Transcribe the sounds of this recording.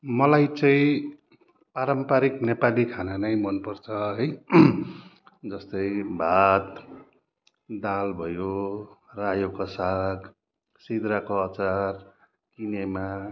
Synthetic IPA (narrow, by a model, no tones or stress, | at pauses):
mʌlajt͡sʌ̃ĩ | paɾʌmpaɾiknepalikʰananʌjmʌnpʌrt͡sʰʌɦʌj | d͡zʌst̪ʌjbʱat̪ | d̪albʱʌjorajokasaɡ | sid̪ɾakoʌt͡sar | kinema